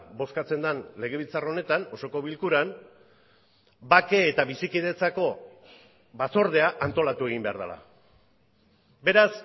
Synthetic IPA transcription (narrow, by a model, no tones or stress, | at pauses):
bo̞skat͡se̞nd̪anle̞ɣ̞e̞βilt͡sarao̞ne̞t̪ano̞so̞ko̞βilkuɾan | bake̞ːt̪aβisikiðe̞t͡sako̞ | βaso̞ɾðe̞aʔant̪o̞lat̪ue̞ɣ̞imbe̞a̰ɾða̰la̰ | be̞ɾas